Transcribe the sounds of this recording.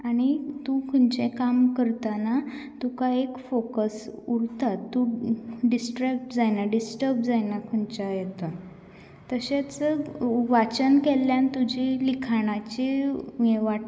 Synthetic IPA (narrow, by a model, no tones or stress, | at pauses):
aɽ̃it̪ukʰuɳt͡ɕekamkəɾt̪anat̪ukaekfokəsuɾt̪at̪ːuɖisʈɾəpd͡zajnaɖisʈəɾb̚d͡zajnakʰuɳt͡ɕajet̪o | t̪əɕet͡səʋat͡ɕənkelːjant̪ud͡ʑʱilikʰaɽ̃at͡ɕijeʋaʈ